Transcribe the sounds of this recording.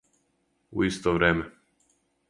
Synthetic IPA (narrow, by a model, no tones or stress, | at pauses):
ṵist̪oʋɾeːme